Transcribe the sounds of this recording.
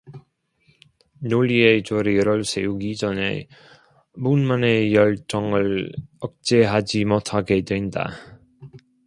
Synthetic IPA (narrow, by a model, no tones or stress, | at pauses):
noʎied͡ʑoɾeɾʌɭsʰe̞juɡid͡ʑʌne̞̰ | munmane̞jʌɭt͡ɕ͈ʌŋɯɭʌk̚t͡ɕ͈eɦad͡ʑimotʰaɡe̞dwe̞nda̰